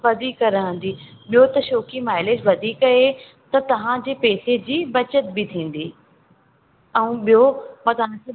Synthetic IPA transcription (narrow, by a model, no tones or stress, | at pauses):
ʋɐd̪ʱikɐɾə̃n̆d̪iːɓijot̪ɐʃoːkimaːɪled͡ʑʋɐd̪ʱiːkɐe | t̪ɐt̪ɐʋ̤ãd͡ʑeːpeːsed͡ʑiːbɐt͡ɕət̪bɪt̪ʰĩːn̆d̪iː | ɛ̃ũɓijomɐt̪ans